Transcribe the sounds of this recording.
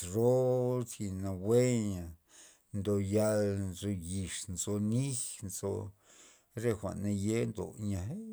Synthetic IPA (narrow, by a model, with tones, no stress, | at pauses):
ɾo˦si˧na˨we˦ɲa˨ | nd̪o˨ja˧lzo˧ji˨ʂnzo˧ni˦xnzo˧ | ɾe˧xʷa̰˨na˧je˦nd̪o̰˨ɲa˨ɦ